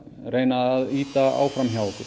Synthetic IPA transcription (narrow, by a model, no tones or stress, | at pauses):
reːjnaaðiːt̪aa̰ːwfɾamçjawk̪ʏ